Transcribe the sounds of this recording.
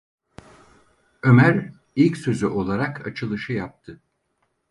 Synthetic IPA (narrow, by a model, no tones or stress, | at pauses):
ø̞mæɾ | ilʲcsø̞zyʔo̞lˠaɾakʰa̰t͡ʃʰɯlˠɯʃɯjap̚t̪ʰɯ